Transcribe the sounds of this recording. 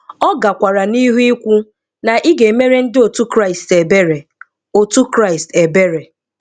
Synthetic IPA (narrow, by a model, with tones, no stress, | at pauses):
ɔ˦ɡa˨kʷa˨ɾa˨ni˦ɦu˦i˦kʷu˦ | na˨ʔi˦ɡe˨me˦ɾe˦n̩˦dɪ˦o˨tu˦kɾa˦˨ɪ˨ste˨be˦ɾe˨ | o˨tu˦kɾa˦ɪ˨ste˨be˦ɾe˨